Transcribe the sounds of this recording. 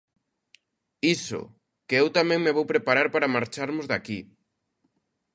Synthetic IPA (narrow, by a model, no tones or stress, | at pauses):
isʊ̰ | keewt̪amɛ̃ŋmeβowpɾepaɾaɾpaɾamaɾt͡ʃaɾmʊzðaki